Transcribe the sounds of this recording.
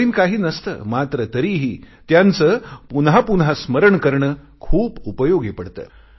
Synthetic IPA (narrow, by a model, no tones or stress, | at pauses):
iːnkaɦiːnəst̪ə̰ːmat̪ɾət̪əɾiɦiː | t̪jant͡səːpunɦapunɦasməɾəɳkəɾɳə | kʰuːbupəjoɡepəɽt̪ə̰ː